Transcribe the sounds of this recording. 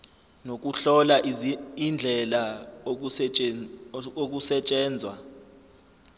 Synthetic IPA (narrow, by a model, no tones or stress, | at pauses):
nok̬ʼuɬɔlaʔind͡ɮʱɛla | ok̬usɛt͡ʃʼɛːnd͡zʱwa̰